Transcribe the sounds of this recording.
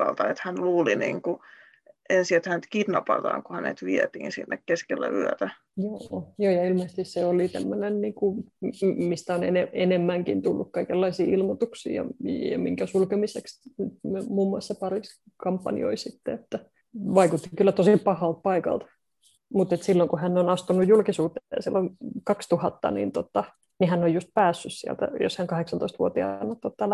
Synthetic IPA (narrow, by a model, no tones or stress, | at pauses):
ɑlt̪ɑet̪hænluːlinḭːŋku | ʔensiet̪hænyt̪kit̪nɑpɑt̪ɑ̰ːŋkuhænḛt̪ʋiɛt̪iːnsinːekkeskelːæ̰y̰œt̪æ | joːjoːjɑilmeːˑst̪isseolit̪æmːønenniːŋku | mist̪æonḛneenemːæŋkḭnt̪ulːukkɑikelːɑisiːilmot̪uksḭːjɑ̰jɑ̰miŋkæsulkemiseksnyt̪mmuːmːuɑsːɑpɑris | kɑmpːɑ̰nḭo̰isit̪ːeet̪ːæ | ʋɑikut̪ːikylːæt̪osippɑhɑlt̪̚pɑikɑ̰lt̪ | mut̪et̪silːoŋkuhænːonɑst̪unːujjulkisuːt̪eɑsilːoŋkɑkst̪uhɑt̪ːɑ̰nḭːnt̪ot̪ːɑ | nihænːojjust̪̚pæːsːyssiæ̰lt̪æ̰jo̰shæŋkɑheksɑnt̪oist̪ʋuot̪iɑ̰nːɑt̪ːot̪ːɑl